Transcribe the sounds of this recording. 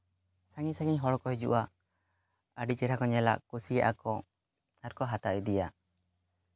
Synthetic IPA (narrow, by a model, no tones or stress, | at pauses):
saŋisaɡiɲɦɔɽkɔɦid͡ʒṵʔa | əɖit͡ʃɛɾakɔɲɛla̰ʔkusija̰ʔa̰kɔ | aɾkɔɦat̪aʔɛd̪ija